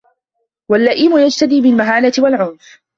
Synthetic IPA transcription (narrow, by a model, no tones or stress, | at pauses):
walːaʔiːmʊjad͡ʒt̪ad̪iːbɪlmaɦaːnat̪ɪwalʕʊnf